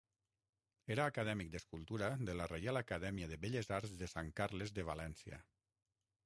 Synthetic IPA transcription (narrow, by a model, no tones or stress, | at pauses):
eɾaːkəðɛmik̚d̪əskulˠt̪uɾaðələrejalakəðɛmiəðeβeʎezaɾzðesaŋkaɾlezðeβ̞alɛnsiə̰